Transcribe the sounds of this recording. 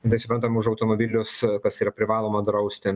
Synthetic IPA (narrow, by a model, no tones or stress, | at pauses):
t̪ɐɪsʊpɾɐnt̪ɐmʊʃɐʊt̪oːmoːbʲɪlʲʊskɐsiːɾɐpʲɾʲɪʋɑːlˠoːmɐd̪ɾɐʊsʲt̪ʲɪ